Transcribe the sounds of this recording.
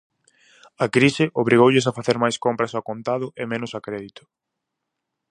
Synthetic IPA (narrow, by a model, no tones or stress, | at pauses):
ɐkɾisɪʔoβ̞ɾiɣowʎɪsafaθeɾmajskompɾɐsakont̪aðʊʔemẽnʊsakɾeðit̪ʊ̥